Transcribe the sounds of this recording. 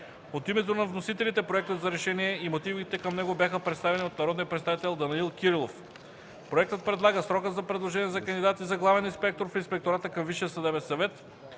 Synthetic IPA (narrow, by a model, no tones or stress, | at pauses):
ot̪imɛt̪onɐvnosit̪ɛlit̪ɛpɾoɛk̚t̪ət̪zɐɾɛʃɛniɛimot̪ivit̪ɛkɐmnɛɡobʲjaxəpɾɛt̪st̪avɛniot̪̚nɐɾɔd̪nijəpɾɛt̪st̪avit̪ɛlˠd̪ɐniilˠkʲiɾilˠof | pɾoɛk̚t̪ət̪̚pɾɛd̪lˠaɡəsɾɔkəzɐpɾɛd̪lˠoʒɛniɛzɐkɐnd̪id̪at̪izɐɡlˠavɛninspɛk̚t̪oɾfinspɛkt̪oɾat̪əkɐmviʃijəsɐd̪ɛbɛnsɐvɛt̪